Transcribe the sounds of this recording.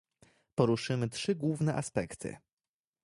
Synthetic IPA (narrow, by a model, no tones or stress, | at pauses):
pɔɾuʂɘmɘtʂɘɡwuvnɛʔaspɛkt̪ʰɘ̰